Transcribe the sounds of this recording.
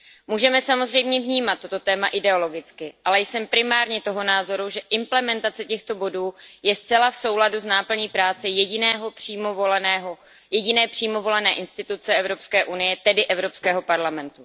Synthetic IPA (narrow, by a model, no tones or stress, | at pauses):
muːʒɛmɛsamozrɛjmɲɛvɲiːmat̪ːo̞t̪o̞t̪ɛːmaʔɪdɛo̞lo̞ɡɪt͡skɪʔalɛjsɛmpɾɪmaːɾɲɛt̪o̞ɦo̞naːzo̞ɾuʒɛʔɪmplɛmɛnt̪at͡sɛcɛxt̪o̞bo̞duːjɛst͡sɛlafso̞wladuznaːpl̩ɲiːpɾaːt͡sɛjɛɟɪnɛːɦopr̥iːmovolnɛɦo | jɛɟɪnɛːpr̥iːmo̞vo̞lɛnɛːʔɪnst̪ɪt̪ut͡sɛɛvɾo̞pskɛːʔunɪjɛt̪ɛdɪʔɛvɾo̞pskɛːɦo̞paɾlamɛnt̪u